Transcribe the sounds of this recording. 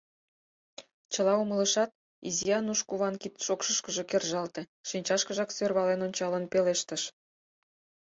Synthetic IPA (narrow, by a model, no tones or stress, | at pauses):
t͡ɕə̆lˠɑumə̆lə̆ʃɑt̪̚ | izijɑnuʃkuβɑnkit̪ʃokʃə̆ʃkə̆ʒĕkerʒɑlt̪ĕ | ʃinʲt͡ɕɑʃkə̆ʒɑksørβɑlenonʲt͡ɕɑlə̆npeleʃt̪ə̆ʃ